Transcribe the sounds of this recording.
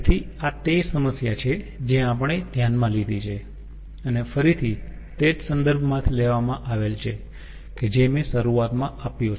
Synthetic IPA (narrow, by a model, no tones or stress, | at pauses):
t̪ʰi | at̪esəməsjat͡ʃʰe | d͡ʒẽapəɽ̃ed̪ʱjanmãlid̪it͡ʃʰe | ənefəɾit̪ʰi | t̪ed͡ʒsənd̪əɾbʱmãt̪ʰileʋamãʔaʋelt͡ʃʰe | ked͡ʒemeʃəɾuat̪mãʔapjo